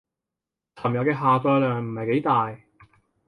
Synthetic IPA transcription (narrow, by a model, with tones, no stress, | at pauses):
t͡sʰɐ˨˩mjɐ˨˧kɛː˧ɦaː˨t͡sɔː˧jlœː˨ŋm̩˨˩hɐ˨jke˨˥jt̪aː˨j